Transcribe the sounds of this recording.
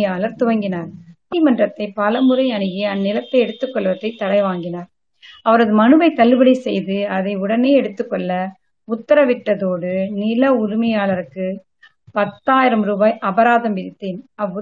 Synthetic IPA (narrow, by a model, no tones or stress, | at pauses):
jaːlɐɾt̪ʊʋɐŋɡɪnaːɾ | ɐlmɐndrɐt̪ːɐɪpɐlɐmɯɾɐɪɐɳɯɣiɐnːɪlɐt̪ːɐɪɛɽɯt̪ːɯkːɔɭʋɐt̪ːɐɪt̪ːɐɽɐɪʋaːŋɡɪnaːɾ | ɐʋɐɾɐðɯmɐnɯbɐɪt̪ːɐlːɯbɐɽisɛjðɯɐðɐɪʊɽɐneːɛɽɯt̪ːɯkːɔɭːɐ | ʊt̪ːɐɾɐʋɪʈːɐðoːɽɯnɪlɐʊɾɪmɐjaːlɐɾɯkːɯ | pɐt̪ːaːjɪɾɐmɾuːbaːjʔɐbɐɾaːðɐmʋɪðɪt̪ːeːnɐʋ